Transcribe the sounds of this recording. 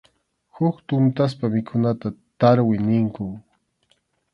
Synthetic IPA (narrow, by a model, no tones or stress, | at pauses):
hʊkt̪ʊnt̪as̬pamɪkʰʊnat̪at̪aɾwɪnɪŋkʊ